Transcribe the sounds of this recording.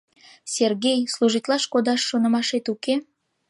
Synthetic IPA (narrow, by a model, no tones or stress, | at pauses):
sʲerɣejsluʒit̪lˠɑʃkod̪ɑʃːonə̆mɑʃet̪uke